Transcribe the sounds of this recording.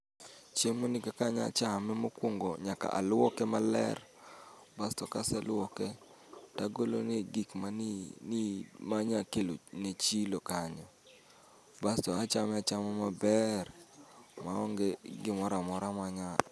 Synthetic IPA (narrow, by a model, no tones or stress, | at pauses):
t͡ʃemonɪkakaɲa̰t͡ʃamɪmokwoŋɡɔɲaka̰ʔa̰lɔkɛmalɛ̰r | bastɔkasɛlɔkɛ | taɡolo̰neɡikmanmaɲakelonet͡ʃilokaɲɔ | bastɔat͡ʃamɛat͡ʃamɪmabɛr | maɔŋɡeɡɪmɔɾamɔɾamaɲa